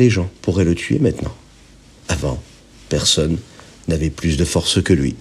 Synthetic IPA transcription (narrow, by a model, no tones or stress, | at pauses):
leʒɑ̃puʁɛlət̪ʰɥḛmɛ̃t̪nɑ̰̃ | avɑ̰̃ | pɛʁsɔnː | avɛplysd̪əfɔʁskəlɥḭ